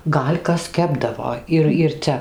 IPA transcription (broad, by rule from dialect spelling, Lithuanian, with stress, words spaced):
ˈɡɐlʲ ˈkɐs ˈkʲæːbdɐʋoː ɪr ɪr ˈt͡sʲɛ